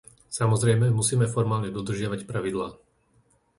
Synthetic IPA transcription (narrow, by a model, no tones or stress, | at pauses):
samɔzɾɛjmɛmusiːmɛfɔɾmaːlɲɛd̪ɔd̪r̩ʒɪaʋacpɾaʋid̪laː